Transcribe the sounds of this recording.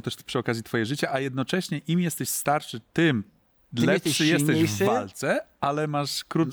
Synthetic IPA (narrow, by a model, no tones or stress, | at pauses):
t̪ɛʂpʂɨɔkazʲit̪fɔjɛʐɘt͡ɕaʔajɛd̪nɔt͡ʂɛɕɲɛʔimjɛst̪ɛɕst̪aɾʂɘt̪ɘm | lɛpʂɨjɛt̪ɛʑvalt̪sɛʔalɛmaʂkɾu